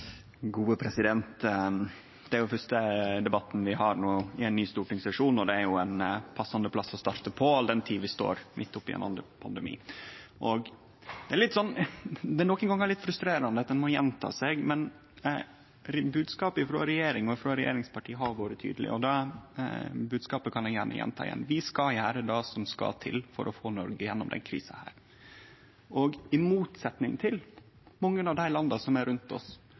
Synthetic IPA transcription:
ɡuːəpʰɾɛsɪd̪ɛnt̪ | d̪̥ɛæɾjʊfœʂʈəd̪ɛbɑt̪ːn̩ʋɪɦɑɾnuːɪæɪnːyːst̪uːʈɪŋsɛʂuːnɔd̪ɛæɾjʊɛnpʰɑsːɑnd̪əpʰlɑsːɔst̪ɑɾt̪əpʰɔɑld̪ɛnt̪ʰiːʋɪst̪o̰ːɾmʔɪt̪ːʊpːɪ̰ɛ̰nɑ̰nd̪ɾə̰pʰɑnd̪əmḭːʔɔɡ | d̪ɛæɾɭɪt̪ːsɔnːd̪ɛnɔkːənɡɑŋːæɭɪt̪fɾʉst̪ɾeːɾɑnəɑt̪̚d̪ɛnmɔjɛnt̪ʰɑ̰ːseɡmɛn | ɾbʉːd̪skɑːpɪfɾo̰ːɾɛjeːɾɪŋɔɪfɾoːɾɛjḛːɾɪŋspʰɑʈʰiːɦɑɾʋɑːɾət̪ʰy̰ːd̪əlɪ̰ʔɔd̪ɑ | bʉːd̪skɑːpəkʰɑnɛɡjæ̰ːɳə̰jɛ̰nt̪ʰɑ̰ːɪjɛ̰nʋɪskɑjæːɾəd̪ɑsɔmskɑ̰lt̪ʰɪ̰lfɔ̰ɾʔɔfoːnɔɾɡəjɛnːɔmd̪ɛ̰nkʰɾḭːsɑhæ̰ːɾ | ʔɔɡɪmuːt̪sɛt̪nɪŋt̪ʰɪl | mɑŋːənɑʋd̪æɪlɑnd̪ɑsɔmæɾʉnt̪ɔ̰s

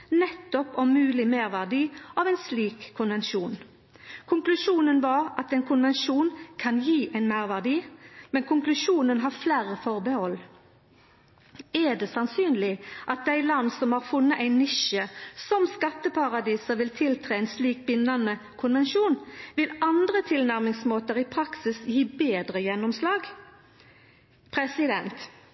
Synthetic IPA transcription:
nɛt̪ːɔpɔmmʉːlɪmeːʁʋæʁd̪iːʔɑʋæɪnsliːkʰːʊnʋɛnʃuːn | kʰʊŋklʉʃuːnənʋɑːʁɑt̪ɛnkʰʊnʋɛnʃuːnkʰɑnjiːʔæɪnmæɪʁʋæʁd̪iːmɛnkʰʊŋklʉʂuːnənɦɑːʁflæːɾəfɔʁbəhɔlː | æd̪eːsɑnsyːnlɪʔɑt̪̚d̪æɪlɑnːsɔmhɑːʁfʊnːəʔæɪnɪʃəsɔmskɑt̪ːəpʰɑʁɑd̪iːsəʋɪlt̪ʰɪlt̪ʰʁeːeɪnsliːk̚bɪnːɑnə | kʰʊnʋɛnʃuːnʋɪlɑnd̪ʁət̪ʰɪlnæʁmɪŋsmoːt̪əʁiːpʰʁɑksɪsjiːbeːd̪ʁəjɛnːɔmslɑːɡ | pʰʁɛsɪd̪ɛnt̪

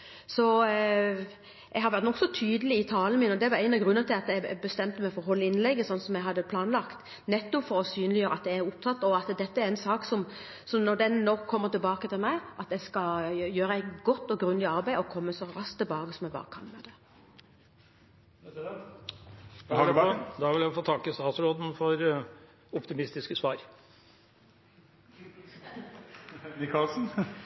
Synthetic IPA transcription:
sɔ | ʔɛɡɦɑɾʋæɾt̪nɔksɔt̪ʰyːd̪əlɪɪt̪ʰɑːlən̩mɪnɔd̪ɛʋɑɾæɪnɑɡɾʉnːəət̪ʰɪlɑt̪æbəst̪ɛmt̪əmæɪfɔɾɦɔlːəɪnlɛɡːəsɔnːsɔmjæɦɑd̪ːəpʰlɑːnlɑkt̪ | nɛt̪ːʊfɔɾɔsyːnlɪjøːɾəɑt̪d̪ɛæɾʊpt̪ʰɑt̪ːɔɑt̪d̪ɛt̪ːəæɾɛnsɑːksɔm | sɔmnɔɾd̪ɛnːɔkʰːɔmːəʁt̪ɪlbɑːkət̪ʰɪlmæɪʔɑt̪ɛskɑjøːɾəɛɪɡɔt̪ːɔɡɾʉnlɪɑɾbæɪɔkʰɔmːəsɔɾɑskt̪ːɪlbɑːkəsɔmɛɡbɑ̰ːɾəkʰɑnmɛd̪ɛ | d̪ɑd̪ɑʋɪljæɪfoːt̪ʰɑkːəst̪ɑːt̪sɾoːd̪n̩fɔɾ | ɔpt̪ɪmɪst̪ɪskəsʋɑːɾ | kʰɑlsn̩

